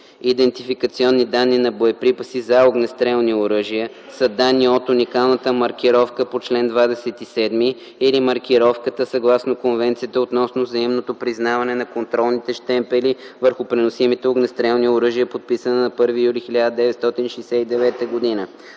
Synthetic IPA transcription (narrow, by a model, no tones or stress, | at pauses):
id̪ɛnt̪ifikət̪siɔnːid̪anːinɐboɛpɾipəsizɐoɡnɛst̪ɾɛlˠnioɾəʒijə | sɐd̪anːiɔt̪unikalˠnət̪əmɐɾk̟iɾɔfkəpot͡ʃlɛnd̪vad̪ɛsɛt̪isɛd̪miː | limɐɾkʲiɾɔfkət̪əsɐɡlˠasnokonvɛnt̪sijət̪əot̪nɔsnovzɐimnot̪opɾiznavɐnɛnɐkont̪ɾɔlˠnit̪ɛʃt̪ɛmpɛli | vəɾxʊpɾɛnosimit̪ɛoɡnɛst̪ɾɛlˠnioɾɤʒiəpot̪̚pisənənɐpɤɾvijulixilʲad̪əd̪ɛvɛt̪st̪ɔt̪inʃɛjsɛid̪ɛvɛt̪əɡod̪inə